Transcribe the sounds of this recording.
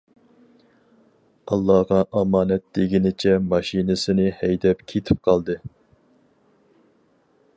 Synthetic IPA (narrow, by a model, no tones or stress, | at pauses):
ɑlˠːɑʁɑʔɑmɑːnɛt̪̚d̪̥eɡʲinɪt͡ʃʰɛmɑʃinɨsɪnɨhɛjd̪ɛpkʲʰet̪ʰɪp̚qʰɑlˠd̪ɨ